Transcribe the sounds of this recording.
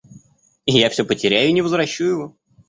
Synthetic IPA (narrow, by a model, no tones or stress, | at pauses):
ɪjafsʲopətʲɪɾʲæjʊinʲɪvəzvɾɐɕːujjɪvo̞